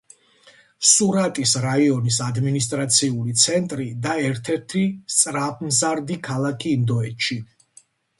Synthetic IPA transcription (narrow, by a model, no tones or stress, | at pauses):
suɾat̪ʼisɾaiɔnisad̪minist̪ʼɾat̪sʰiulit̪sʰɛnt̪ʼɾid̪aɛɾt̪ʰɛɾt̪ʰist̪sʼɾap̚ʰmzaɾd̪ikʰalˠakʰiːnd̪ɔɛt̪ʃi